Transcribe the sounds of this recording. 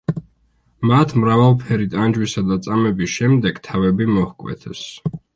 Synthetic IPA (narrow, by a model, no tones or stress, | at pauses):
mat̪ʰmɾavalˠpʰɛɾit̪ʼand͡ʒwisad̪at̪sʼamɛbisʃɛmd̪ɛɡ̥t̪ʰavɛbimɔhkʼwɛ̰t̪ʰɛs